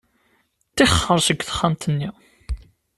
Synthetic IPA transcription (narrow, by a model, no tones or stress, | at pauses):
t̪ːɪχːəɾˤsəɡʷθə̥χːamt̪ənːi